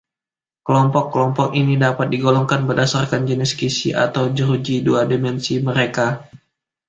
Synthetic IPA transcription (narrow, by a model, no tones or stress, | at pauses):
kəlɔmpɔkːəlɔmpɔk̚inidapat̪̚diɡolɔŋkanbərdasarkand͡ʒənɪskisiʔa̰t̪awd͡ʒəɾud͡ʒiduadimɛnsiməɾeka